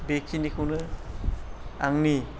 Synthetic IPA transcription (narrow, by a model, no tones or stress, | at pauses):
bekʰinikʰunɯ | aŋni